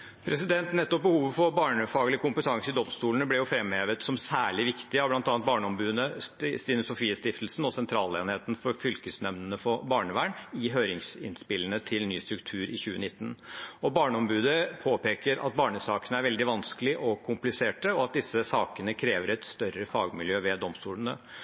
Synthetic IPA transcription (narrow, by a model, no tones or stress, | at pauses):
pʰɾɛsɪd̪ɛnt̪nɛt̪ːɔp̚bəhuːʋəfɔɾbɑːɳəfɑːɡəlɪkʰʊmpət̪ʰɑŋsəɪd̪ɔmst̪uːlnəblɛjʊfɾɛmheːʋət̪sɔmsæːɭɪʋɪkt̪ɪɑʋb̪ɑnt̪ɑːnt̪bɑːɳəɔmbʉːd̪əst̪ɪnʊsʊfiːəst̪ɪft̪lsn̩ɔsɛnt̪ʰɾɑːlḛːnheːt̪nfɔɾfʏlkəsnɛʋnənəfɔbɑːɳəʋæːɳɪɦøːɾɪŋsɪ̰nspɪlːənət̪ʰɪlnyːst̪ɾʉkt̪ʰʉːɾɪçʉːənɪt̪ːnɔbɑːɳəɔmbʉːd̪əpʰoːpeːkəɾɑ̰t̪̚bɑːɳəsɑːkənəæɾʋɛld̪ɪʋɑnsklɪʔɔkʰʊmplɪseːʈəɔɑt̪̚d̪ɪsːəsɑːkənəkʰɾeːʋəɾɛt̪st̪œɾəfɑ̰ːɡmɪljøːʋɛd̪ɔmst̪uːlənə̰